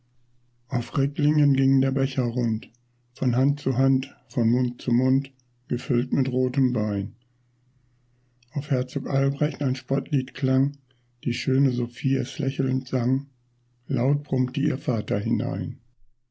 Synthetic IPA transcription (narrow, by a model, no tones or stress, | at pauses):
ʔaʊfʁɪklɪŋənɡɪŋdeːɐbɛçɐʁʊnt | fɔnɦant̚t͡suɦantfɔnmʊntt͡sumʊnt | ɡ̥əfʏltmɪtʁoːtəmbaɪn | ʔaʊfhɛɐt͡soːkʔalbʁɛçtaɪnʃpɔtʰliːtkʰl̥aŋ | d̥iːʃøːnəzofiːaslɛçl̩ntz̥aŋ | laʊt̚b̥ʁ̥ʊmtəʔḭːɐfaːtɐɦɪna̰ɪn